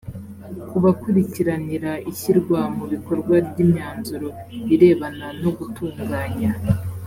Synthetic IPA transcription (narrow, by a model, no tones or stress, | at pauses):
kuβakuɾiciɾaniɾaiçiɾɡwamuβiko̞ɾɡwabɟiːmɲaːnzuɾo̞βiɾe̞ːβanano̞ɡutuːŋɡaːɲa